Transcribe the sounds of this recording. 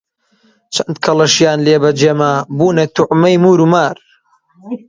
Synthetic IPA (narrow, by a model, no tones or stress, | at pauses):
t͡ʃʰɐnd̪̚kʰɐlɐʃjaːnleːbɐd͡ʒeːmabuːnɐt̪ʊʕmɐjmuːɾumaːɾ